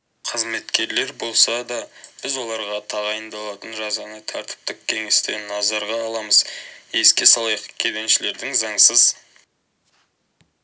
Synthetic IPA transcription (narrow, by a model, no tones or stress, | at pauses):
qʰəzme̞t̪kʲe̞ɾle̞ɾbo̞lˠsɑd̪ɑb̥ɪzwo̞lˠɑɾʁɑt̪ʰɑʁɑjənd̪ɑlˠɑt̪ənʒɑzɑnɑjt̪ʰɑɾt̪ə̥p̚t̪əqkʲʰe̞ŋe̞st̪e̞nːɑzɑɾʁɑːlˠɑməzje̞skʲe̞sɑlˠɑjqkʲʰe̞d̪e̞nʃɪle̞ɾd̪ɪŋzɑɴsəz